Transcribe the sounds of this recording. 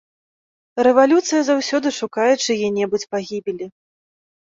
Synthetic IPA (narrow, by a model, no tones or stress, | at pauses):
rɛvalʲut̪sɨjɐzawsʲɔd̪ɨʂukajɛt͡ʂɨjɛnʲɛbut͡sʲpaɣʲibʲilʲi